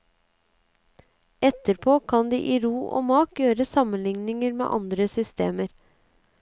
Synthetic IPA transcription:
ʔɛt̪əɾpʰoːkʰɑnd̪ḭːʔiːɾuːʔo̰ːmɑːkjøːɾəsɑmənlɪŋnɪŋəɾmḛːʔɑnd̪ɾəsʏst̪ḛːməɾ

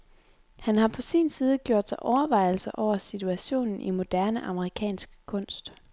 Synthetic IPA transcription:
hænɦɑ̈pʰɒ̽sḭːnsiːð̞ˠəɡ̥jo̝ɐ̰d̥sɑʔɒʊɐʋɑ̈ɪ̰l̩sɐʔɒʊ̰ɐsit͡sʰuæɕo̝̰ːnn̩ʔḭmo̝d̥æɐnəʔɑ̈məʁikʰɛ̰ːnsɡ̥kʰɔ̽n̰sd̥

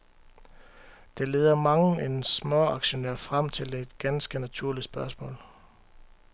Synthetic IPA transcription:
d̥e̝leːðˠɐmɑ̈ŋ̩ensmɒɑ̈ɡ̥ɕo̝neɐfʁam̰t͡sʰe̝le̝d̥ɡ̥ænsɡ̥ənæt͡sʰuɐ̰lid̥sb̥ɶɐsmɔ̰ːl

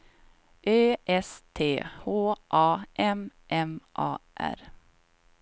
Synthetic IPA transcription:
ʔøːɛst̪ʰeːhoːʔɑːʔɛmʔɛmʔɑ̰ːʔæ̰ɾ

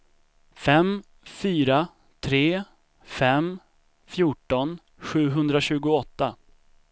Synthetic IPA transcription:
fɛm | fyːɾa | t̪ʰɾeː | fɛm | fjuːʈɔn | ɧʉ̟ːɦɵnd̪ɾaɕʉ̟ːɡʊɔt̪ːa

